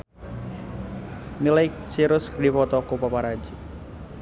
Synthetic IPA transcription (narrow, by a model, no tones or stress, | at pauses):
milak̚siɾʊskərdipɔt̪ɔkupapaɾad͡ʒi